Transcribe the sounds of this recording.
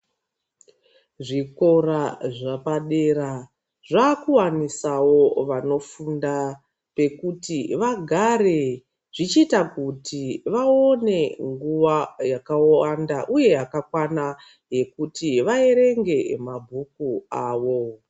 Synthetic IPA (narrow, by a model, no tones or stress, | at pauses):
ʐiko̞raʐapaɗe̞ɾa | ʐaːkuwanisawo̞ʋano̞funda | pe̞kutiʋaɡʱaɾe̞ | ʐ̥it͡ʃitakutiʋaone̞ŋɡuʋajakaoandaʔuje̞akakwana | je̞kutiʋae̞ɾe̞ŋɡe̞mabʱukuaːʋo̞